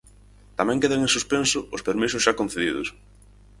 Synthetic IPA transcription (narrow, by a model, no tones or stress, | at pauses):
t̪amɛ̃ŋkeðaŋẽnsuspensʊʊspeɾmisʊsʃakon̟θeðiðʊ̰s